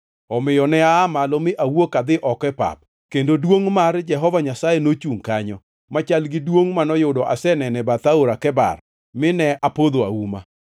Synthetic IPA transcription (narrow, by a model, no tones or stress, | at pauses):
ɔmɪjɔnɛaːmalɔmɪʔawokad̪ɪʔɔkɛpa̰p̚ | kendodwoŋmard͡ʒɛɦɔvaɲasajenot͡ʃuŋkaɲɔ | mat͡ʃalɡɪdwoŋmanɔjʊdɔʔa̰sɛnɛnɛbat̪aoɾakɛba̰r | mɪnɛʔapod̪oa̰uma̰